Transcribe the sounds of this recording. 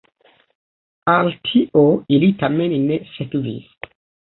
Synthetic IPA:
altʰiʔoilitamennesekvḭs

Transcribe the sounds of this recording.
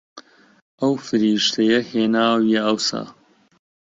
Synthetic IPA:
ʔɐwfɨɾiːʃt̪ʰɐjɐheːnaːwieɐwsa̰ː

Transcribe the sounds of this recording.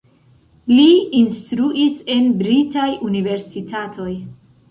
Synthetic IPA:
liinstɾuʔise̞nbɾitajʔunive̞ɾsitʰatʰo̞j

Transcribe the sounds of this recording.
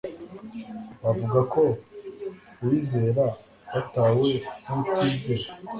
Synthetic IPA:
βavuɡakʰo̞ | wiːze̞ːɾaβataːwenumukiːze

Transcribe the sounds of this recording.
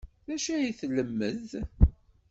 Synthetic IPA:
ðæʃæiθləmːəð

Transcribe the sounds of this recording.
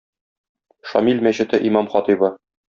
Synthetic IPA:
ʃɒ̰milʲmæɕɘ̆t̪ɘʔimɑmχɒt̪ibɤ

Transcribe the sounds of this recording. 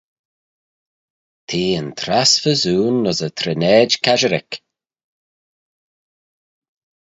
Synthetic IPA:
t̪ʰiːənt̪ʰɾasvəzuːnːɔzət̪ʰɾɪnɛːd͡ʒkʰaʒəɾɪ̰k

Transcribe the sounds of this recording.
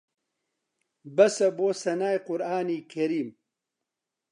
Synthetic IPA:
bɐsɐboːsɐnaːjqʊɾaːniːkʰɐɾiːm

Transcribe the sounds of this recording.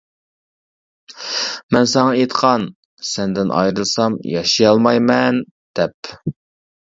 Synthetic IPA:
mɛnsɑŋɑet̪qʰɑn | sɛnd̪ɪnʔɑ̰jɾɨlˠsɑmjɑʃijɑlˠmɑjmɛn | d̪̥ɛp

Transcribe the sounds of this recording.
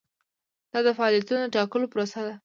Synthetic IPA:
d̪̥ɑd̪əfaɑlijat̪unod̪əʈɑkəlopɾosad̪a

